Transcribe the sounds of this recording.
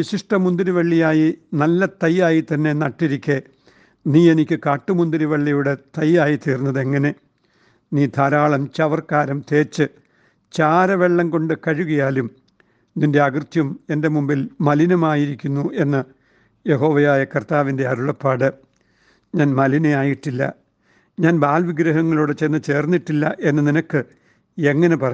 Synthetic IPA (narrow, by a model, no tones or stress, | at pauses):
ʋiɕiʂʈɐmund̪iɾuʋɐɭːijaːjinɐlːɐt̪ɐjːaːjit̪ɐnːe̞nɐʈːiɾikʲːe | niːe̞nikʲːɨkaːʈːɨmund̪iɾuʋɐɭːijuɽe̞t̪ɐjːaːjit̪iːrnːɐðe̞ŋːɐne̞ | niːd̪ʱaːɾaːɭɐmt͡ɕɐʋɐrkaːɾɐmt̪e̞ːt͡ɕːɨ | t͡ɕaːɾɐʋe̞ɭːɐŋko̞ɳɖɨkɐɻuɣɐjaːlum | ninde̞ɐɡrt̪jɐmende̞mumbilmɐlinɐmaːjiɾikʲːunːuʔe̞nːɨ | je̞ɦo̞ːʋɐjaːjɐkɐrt̪aːʋinde̞ɐɾuɭɐpːaːɽɨ | ɲaːnmɐlinɐjaːjiʈːilːɐ̰ | ɲaːnbaːlʋiɡɾɐɦɐŋːɐɭuːɽet͡ɕenːɨt͡ɕe̞ːrnːiʈːilːɐʔe̞nːɨninɐkːɨ | e̞ŋːɐnepɐrɐ